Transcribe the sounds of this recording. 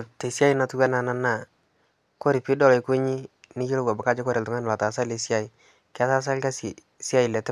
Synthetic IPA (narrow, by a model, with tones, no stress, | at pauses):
te˨si˦a˦i˦na˨tu˦ɡa˦na˨na˦˨na˦˨ | ko˦ɾi˨pi˦dɔ˦˨lɔ˨i˨ko˦ɲi˦ni˦d͡ʒi˦lo˦ɡa˨ba˨ka˦d͡ʒe˦ko˦ɾe˨tu˨ŋa˦n˨la˨ta˨s̬a˦le˨si˦a˦i˨˦ | kɛ˦a˦sa˦s̬a˦lka˦si˨ | si˦a˦ji˨lɛ˨tɛ˦